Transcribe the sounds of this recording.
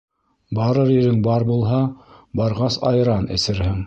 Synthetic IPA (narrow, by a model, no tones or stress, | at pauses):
bɑɾɤɾɘ̆ɾɘŋbɑɾbulˠɦɑbɑɾʁɑsɑjɾɑnɘ̰̆sɘ̆ɾhɘŋ